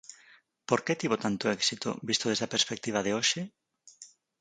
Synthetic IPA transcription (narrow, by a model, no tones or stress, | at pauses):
poɾket̪iβ̞ot̪ant̪oɛksit̪o̰bist̪oðezðɐpeɾspek̚t̪iβ̞ɐðeoʃe